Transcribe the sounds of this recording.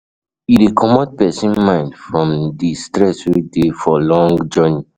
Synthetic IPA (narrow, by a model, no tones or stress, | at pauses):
idikʰɔmɔd̚pɛsĩnmãɪ̃ndfɹɔ̃mdistɹɛsɹidefɔlɔ̃ŋɡd͡ʒɔni